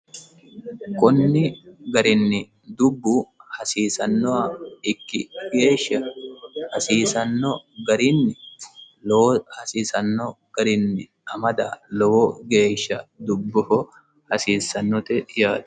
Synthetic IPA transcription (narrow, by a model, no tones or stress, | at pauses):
kʼɔnːɪɡɐɾɪnːɪ | d̪ʊbːuhɐsiːsɐnːɔɐɪkːɪɡe̞ːʃːɐhɐsiːsɐnːɔɡɐɾɪnːɪ | lɔhɐsiːsɐnːɔ | ɡ̥ɐɾɪnːɪ | ɐmɐd̪ɐlɔwoɡe̞ːʃːɐd̪ʊbːʊhɔ | hɐsiːsɐnːɔt̪ɛjaːd̪̥